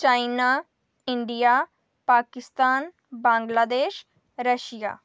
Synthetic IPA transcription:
t͡ʃaːɪnaː | ɪɳɖijaː | paːkɪst̪aːn | bãːŋɡlaːd̪eːʃ | ɾəʃija̰ː

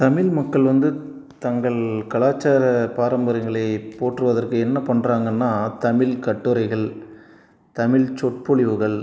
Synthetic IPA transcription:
t̪ɐmɪɭmɐkːɐɭʋɐnd̪ɯ | t̪ɐŋɡɐɭkɐɭaːt͡ʃːaːɾɐpaːɾɐmbɐɾɐŋɡɐɭɐɪpoːʈːrɯʋɐðɐrkɯɛnːɐpɐɳraːŋɡɐnːaːt̪ɐmɪɭkɐʈːɯɾɐɪɣɐɭ | t̪ɐmɪɭt͡ʃɔʈ̚pɔɭɪʋɯɣɐɭ

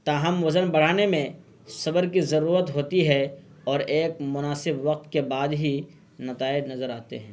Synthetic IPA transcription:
t̪aːɦɐmʋɐzənbɐɽ̤aːnemẽ | sɐbəɾkizɐɾuːɾət̪ɦoːt̪iɦɛ | ɔːɾeːk̚mʊnaːsɪbʋɐq̚t̪kebaːd̪ɦi | nɐt̪aːɪd͡ʒnɐzəɾaːt̪ḛɦɛ̃ː

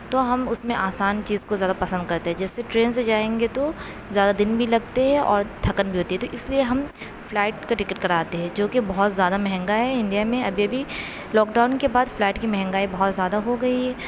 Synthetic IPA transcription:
t̪oɦɐmʊsmẽʔaːsaːnt͡ʃiːzkozjaːd̪apɐsə̃nd̪̚kɐɾt̪eɦɛ̃d͡ʒɛːsːeʈɾeːnsed͡ʒaːẽːŋɡet̪o | zjaːd̪ad̪ɪnbʱilɐɡt̪eɦɛ̃ʔɔ̰ːɾd̪ʱɐkənbʱiɦoːt̪iɦɛ̃t̪oʔɪslieɦɐm | flɛːʈ̚kaʈɪkəʈ̚kɐɾaːt̪eɦɛ̃ːd͡ʒoːkebɐɦʊt̪zjaːd̪amɛɦɛ̃ŋɡaɦɛɪ̃nɖ̪ijamẽɐbʱiɐbʱi | lɔːkɖaːʊnkebaːd̪flɛːʈkimɛɦɛ̃ŋɡaːibɐɦɔt̪zjaːd̪aɦoɡɐiɦɛː

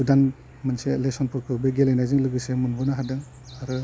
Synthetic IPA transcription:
udan | mɯnselesɔnpʰɔɾkʰɯbeɡelejnajzɯŋlɯɡɯsemɯnbɔnaɦadɯŋ | aɾɯ

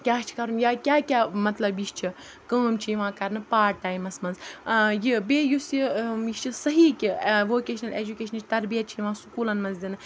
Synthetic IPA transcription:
kʲaːt͡ʃʰi̥kɐɾunjaːkʲjaːkʲaːmɐt̪lɐbiʃt͡ʃʰi | kaːmt͡ʃʰijiʋãːkɐɾnɨpaːʈ̚ʈaːimɐsmɐnzjibeːjusjiiʃt͡ʃʰisɐɦiːkʲiʋoːkeːʃɐnɐleːd͡ʒukʲeːʃɐnt͡ʃʰt̪ɐɾbijɐt̪̚t͡ʃʰijʋãːsu̥kuːlɐnmɐnzd̪ʲinɨ

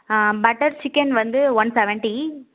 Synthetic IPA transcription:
bɐʈɐɾt͡ʃɪkːɐnʋɐnd̪ɯʋɐnsɛʋɛɳʈi

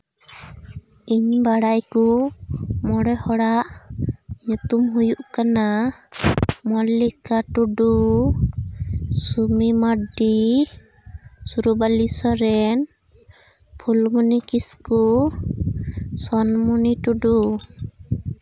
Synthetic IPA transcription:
iɲbaɽajku | mɔɽɔhɔɽaʔ | ɲut̪umɦujuʔkana | mɔlːikaʈuɖu | sumimaɖi | suɾubalisɔɾɛn | pʰulmunikisku | sɔnmuniʈuɖu

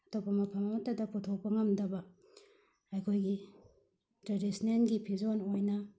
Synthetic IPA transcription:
ɐtopɐmɐpʰɐmɐmɐtɐdɐputʰok̚pɐŋɐmdɐbɐ | ɐjkʰojɡi | tɾadisinenɡipʰizonojnɐ

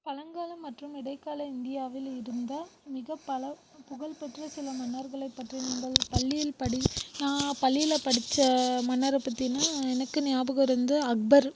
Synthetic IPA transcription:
pɐlɐŋɡaːlɐmːɐʈrɯmɪɽɐɪkːaːlɐɪnd̪ɪjaːʋɪlɪɾɯnd̪ɐmɪɣɐpːɐlɐ | pʊɣɐlpɛʈrɐsɪlɐmɐnːɐɾɣɐɭɐɪpːɐʈrinɐmbɐlpɐɭːɪjɪlpɐɽinãːpɐlːɪjɪlɐpɐɽɪt͡ʃːɐmɐnːɐɾɐpːɐt̪ːinaːɛnɐkːɯnɪjaːbɯɣɐɾɯnd̪ɯɐk̚bɐɾ

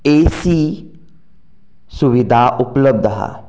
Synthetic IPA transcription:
eːsiː | sʊʋid̪ʱaʔʊpləb̚d̪ɦa̰ː

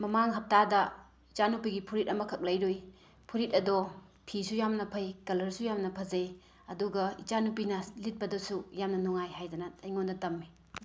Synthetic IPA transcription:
mɐmaŋɦɐp̚tadɐ | it͡ʃanupiɡipʰuɾit̚ɐmɐkʰɐk̚lɐjɾoj | pʰuɾit̚ɐdo | pʰisujamnɐpʰɐjkɐlɐɾsujamnɐpʰɐze | ɐduɡɐit͡ʃanupinɐlit̚pɐdɐsujamnɐnuŋajhajdɐnɐɐjŋondɐtɐmːi

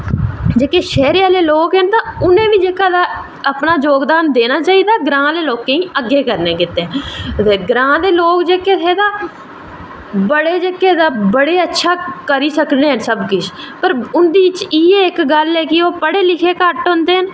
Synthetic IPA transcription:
d͡ʒeːkeːʃɛːɾeːaːleːloːkɦənt̪ãːʊnẽːʋiːd͡ʒeːkaːd̪aː | əpnaːd͡ʒoːɡd̪aːnd̪eːnaːt͡ʃaːiːd̪aːɡɾãːleːloːkẽːĩːəɡːeːkəɾnẽːkɪt̪ːẽːeːɡɾãːd̪eːloːkd͡ʒeːkeːt̪ʰeːd̪aː | bəɽeːd͡ʒeːkeːd̪aːbəɽeːətːʃʰaːkəɾiːsəkneːɦənsəbkɪt͡ʃ | pəɾʊnd̪iːʋɪt͡ʃiːeːɪkɡəlɛːkɪoːpəɽeːlɪkʰeːkəʈɦʊ̃nd̪eːɦən

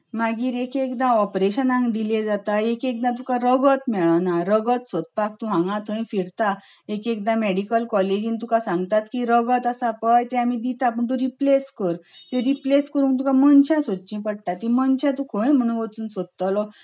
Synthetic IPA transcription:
maɡiːɾekekd̪ãɔpɾeɕənãŋɡɖiled͡zat̪aekek̚d̪ãt̪ukãɾəɡət̪mɛɭanaɾəɡət̪sɔt̪̚pakt̪ũɦãŋɡãt̪ʰəj̃fiɾt̪a | ekek̚d̪ãmeɽikəlkɔled͡ʑint̪ukasãŋɡt̪at̪kiɾəɡət̪asapəjt̪ẽamid̪it̪ap̬əɳt̪̬ũɾipleskəɾt̪ẽɾipleskəɾũːŋkt̪̬ũkamənɕãsod̪t͡ɕĩpəɽʈat̪ːĩmənɕjat̪ũkʰoẽm̤əɽ̃ũnʋət͡suːnsod̪̚t̪alɔ

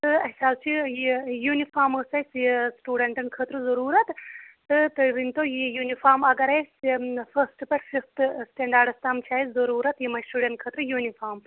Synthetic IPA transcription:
t̪ɨɐsʲaːlt͡ʃʰijijuːnifaːɾməsɐjssʈuːɖɐɳʈɨɳkʰət̪ɾɨzɐɾuːɾɐt̪t̪ɨt̪ɨʋint̪ojijuːnifaːɾmɐɡɐɾɐsfɐsʈɨpɐʈfift̪ʰsʈeːɳɖaːɾɖɐst̪aːmt͡ʃʰaːizɐɾuːɾɐt̪jimɐjsʈuːɖɐɳʈ̚kʰəːt̪ɾɨjuːnifaːm

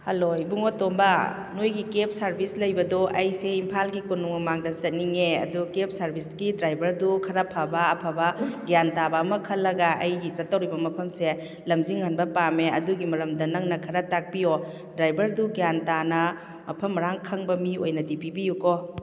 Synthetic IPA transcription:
hɐloibuŋotombɐ | nojɡikep̚sɐɾbʱislɐjbɐdoʔɐjseimpʰalɡikunuŋɐmaŋdɐzɐt̚niŋeɐ̰dukep̚ʰsɐɾbʱisɡidɾajbʱɐɾdukʰɐɾɐpʰabɐɐpʰabɐɡjantabɐːmɐkʰɐlːɐɡɐʔɐ̰jɡit͡ʃɐtːɐwɾibɐmɐpʰɐmse | lɐmziŋhɐnbɐpameɐduɡimɐɾɐmdɐnɐŋnɐkʰɐɾɐtak̚pio | dɾajbʱɐɾduɡjantanɐ | mɐpʰɐmɾaŋkʰɐŋbɐmiojnɐdipibijuko

